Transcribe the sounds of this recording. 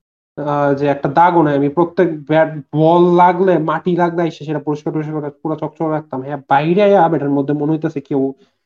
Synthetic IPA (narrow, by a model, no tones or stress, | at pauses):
d͡ʑeɛk̚ʈad̪aɡonaamipɾot̪ːek̚bɛbɔlːaɡlemaʈilaɡleajʃeʃ̬eʈapoɾiʃkaɾbeʃ̬ekɔɾeakuɾat͡ɕɔk̚t͡ɕoɾeɾak̚t̪amɦɛbajɾeajabeʈaɾmod̪ʱːemoneɦot̪easʰekew